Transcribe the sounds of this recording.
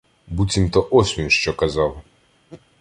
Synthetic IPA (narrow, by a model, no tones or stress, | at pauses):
butʲimt̪ɔʔɔsʲmʲiʊʃt͡ʃɔkɐzɑw